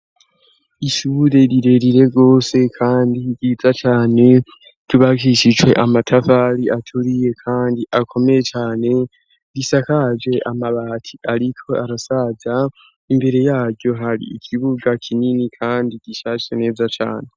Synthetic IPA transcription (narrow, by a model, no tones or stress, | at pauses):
iʃuːɾe̞ɾiɾe̞ɾiɾe̞ɡo̞ːse̞kʰaːndiɡiːzat͡ʃaːne̞ | ɾiβakiʃid͡ʒwe̞̰ʔamatʰafaːɾiʔatʰuɾije̞kʰaːndiʔakʰo̞meje̞t͡ʃaːne̞ | ɾisakad͡ʒe̞ʔamaβaːtʰi̥ʔaɾikʰo̞ʔaɾasaːza | imbe̞ɾe̞jaːɾɟo̞ɦaɾḭːkʰiβuɡakʰininikʰaːndiɟ̥iʃaːʃene̞ːzat͡ʃa̰ːne̞